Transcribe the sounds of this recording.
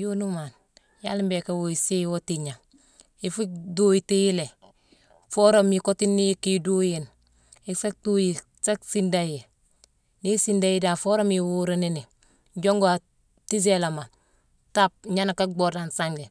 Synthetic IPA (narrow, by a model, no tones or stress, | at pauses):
jonuman | ja̰limbekawoisewotiɲa | ifudojitijile | foɾomjikotinːijikidojen | isak̚tuji | saksindaje | nisindajidafoɾomjiwuɾenini | ɟoŋɡoa | tizelama | tap̚ɲanakabodansaŋɡe